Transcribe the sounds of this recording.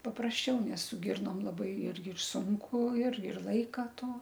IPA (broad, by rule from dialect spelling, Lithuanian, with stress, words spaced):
pɐprɐsʲˈt͡ʃʲɛʊ nʲɛs sʊ ˈɡʲɪrnoːm lˠɐˈbɐɪ ˈɪrʲɡʲɪ ɪr ˈsʊŋkʊ ɪr ɪr ˈlˠɐɪkɐ ˈtoː